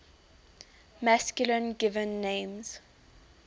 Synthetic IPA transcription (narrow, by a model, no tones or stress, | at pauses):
maskjulə̃nɡɪvə̃nːẽmz̥